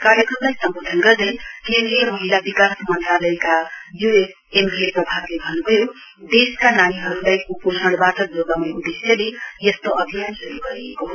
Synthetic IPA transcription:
kaɾjʌkrʌmlajsʌmbod̪ʱʌnɡʌrd̪ʌjkẽnd̪ɾijʌmʌɦilabikasmʌnt̪ralʌekajues | embʱieprʌbʱaɡlebʱʌnubʱʌjo | d̪eskananiɦʌɾulajkopusʰʌɽ̃baʈʌd͡zoɡaw̃neud̪esjʌlejʌst̪oʔʌbʱijansuɾuɡʌɾiekoɦ

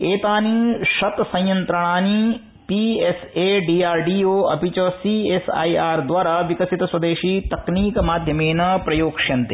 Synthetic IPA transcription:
eːt̪aːniʃɐt̪sɐ̃j̃jɐnt̪ɾɐɽ̃aːni | pieseːɖiːaːɾɖiːoːɐpit͡ʃɐsiesa̰ːiaːɾd̪ʋaːɾaːʋikɐsit̪ɐswɐd̪eːʃiːt̪ɐkniːkmaːd̪ʱjɐmeːnɐpɾɐjoːkʃɐnt̪e

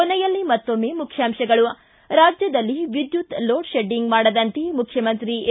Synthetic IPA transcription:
ɔnɛjɐlːimɐt̪ːomːe̞ːmukʰjaːmʃɐɡɐɭu | ɾaːd͡ʒjɐd̪ɐlːiʋid̪jut̪loːʈʃeɖiŋɡmaːɽɐd̪ɐnt̪emukʰjɐmɐnt̪ɾi

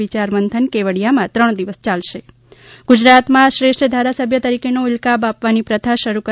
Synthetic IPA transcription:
it͡ʃaɾmənt̪ʰənkeʋəɽijamãt̪ɾəɳ̃d̪iʋəst͡ʃalʃe | ɡ̥ud͡ʒɾat̪mãʃɾeʃʈəd̪ʱaɾasəbʱjət̪əɾikʰenoɪlkabapʋanipɾət̪ʰaʃəɾukə

